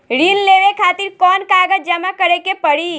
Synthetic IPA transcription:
ɾinleʋekʰat̪iɾkɔnkaɡəd͡ʒd͡ʒəmakəɾekepəɽi

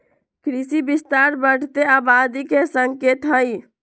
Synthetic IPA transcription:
kɾisibist̪aɾbəɽ̤ʰt̪eabad̪ikesəŋket̪ɦəj

